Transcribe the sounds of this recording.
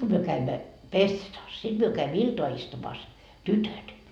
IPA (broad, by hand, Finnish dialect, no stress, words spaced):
ko myø kæimːæ pesːetɑːs sit myø kæimːø iltoɑ istumɑːs tytøt